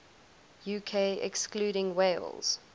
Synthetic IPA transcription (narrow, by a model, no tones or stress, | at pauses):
juːkʰeɪɛ̰kskluːɾɪ̃ŋweɪlz̥